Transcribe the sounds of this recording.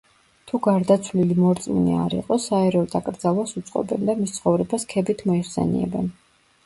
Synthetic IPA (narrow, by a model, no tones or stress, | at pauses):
t̪ʰuɡaɾd̪at̪sʰvlilimɔɾt̪sʼmḭnḭa̰ɾḭqʼɔsaɛɾɔd̪akʼɾd̪zalˠwasut̪sʼqʼɔ̰bɛnd̪amist̪sʰχɔvɾɛbaskʰɛbit̪ʰmɔiχsɛ̰nḭɛ̰bɛn